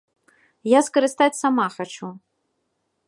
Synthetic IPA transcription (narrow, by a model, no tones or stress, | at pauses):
jaskɐɾɨst̪at͡sʲsamaxat͡ʃu